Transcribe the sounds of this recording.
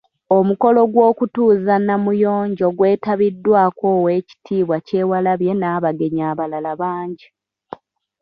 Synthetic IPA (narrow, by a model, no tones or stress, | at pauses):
o̞muko̞lo̞ɡwo̞ːkutuːzanːamujo̞ːɲɟo̞ɡwe̞ːtaβidːwaːkowe̞ːci̥tʰiːβwace̞ːwalaβje̞naːβaɡe̞ɲaːβalalaβaːɲɟi